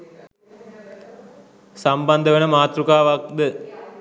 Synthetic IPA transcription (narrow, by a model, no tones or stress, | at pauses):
sɐmbɐnd̪əʋənəmaːt̪rukaːʋak̚d̪ə